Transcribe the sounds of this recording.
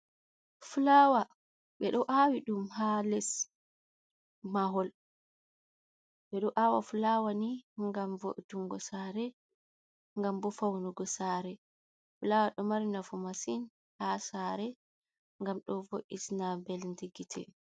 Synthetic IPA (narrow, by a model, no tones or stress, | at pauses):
fulaːwa | ɓɛɗɔʔawiɗumhalɛs | maɦɔl | ɓɛɗɔʔawa̰fulawaniŋɡamvo̰ʔduŋɡɔsaɾɛ | ŋɡambɔfawnuɡɔsaɾɛ | fulawaɗɔmaɾinafumasin | hasaɾɛ | ŋɡamɗɔvoʔisnabɛlndiɡitʰɛ̰